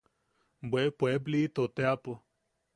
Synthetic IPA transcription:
bwepwebliːt̪ot̪eapo

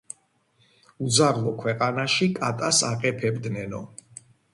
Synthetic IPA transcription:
ud̪zaɾlˠɔkʰwɛqʼanaʃikʼat̪ʼasaqʼɛpʰɛbd̪nɛnɔ

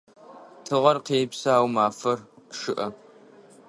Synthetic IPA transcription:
tʰɨʁʷɐrqeːpsɐaːwmaːfɐrʂɨʔɐ

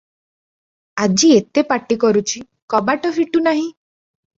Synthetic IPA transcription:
ad͡ʒiet̪epaʈikɔɾut͡ʃʰi | kɔbaʈɔpʰiʈunaɦĩ

